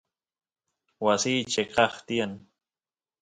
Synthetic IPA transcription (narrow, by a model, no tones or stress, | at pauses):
wasiːt͡ʃeqɑχt̪ijan